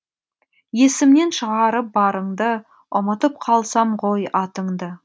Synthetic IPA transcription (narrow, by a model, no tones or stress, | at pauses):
je̞sɪmne̞nʃəʁɑɾəp̚bɑɾəɴd̪ə | əmət̪əp̚qʰɑlˠsɑɴʁojɑt̪əɴd̪ə